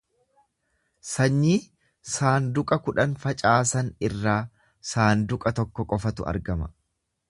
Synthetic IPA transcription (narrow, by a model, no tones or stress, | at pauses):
sɐɲːiː | saːnd̪ʊkʼɐkʊᶑɐnfɐt͡ʃʼaːsɐnɪrːaː | saːnd̪ʊkʼɐt̪ɔkːɔkʼɔfɐt̪ʊ̰ʔɐ̰ɾɡɐmɐ